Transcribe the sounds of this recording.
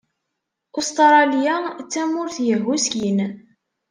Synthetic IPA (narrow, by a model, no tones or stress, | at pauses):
ʊst̪ɾˤɑljat͡sːæmʊɾθjəɦːuskin